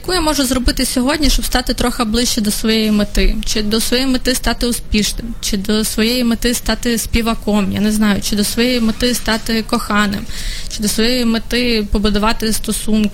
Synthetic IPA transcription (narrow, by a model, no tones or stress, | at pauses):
jjɐkujamɔʒʊzrɔbɪt̪ɪsʲɔɦɔdʲnʲiʃt͡ʃɔbst̪ɑt̪ɪt̪ɾɔxɐblˠɪʃt͡ʃɛd̪ɔsʋɔjɛjimɪt̪ɪt͡ʃɪd̪ɔsʋɔjɛjimɪt̪ɪst̪ɑt̪ɪʊspʲiʃnɪmt͡ʃɪd̪ɔsʋɔjɛjimet̪ɪst̪ɑt̪ɪspʲiʋɐkɔmja̰nɛznɑjʊt͡ʃɪd̪ɔsʋɔjɛjimɪt̪ɪst̪ɑt̪ɪkɔxɑnɪ̰mt͡ʃɪd̪ɔsʋɔjɛjimɪt̪ɪpɔbʊd̪ʊʋɑt̪ɪst̪ɔsunkɪ